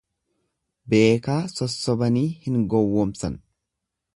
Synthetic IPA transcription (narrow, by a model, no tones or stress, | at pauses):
be̞ːkaːsɔsːɔbɐniːhɪŋɡɔwːoːmsɐn